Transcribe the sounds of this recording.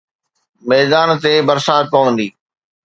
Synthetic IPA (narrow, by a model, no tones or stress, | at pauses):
mɛːzaːnt̪ebɐɾsaːt̪̚pɐʋə̃nd̪iː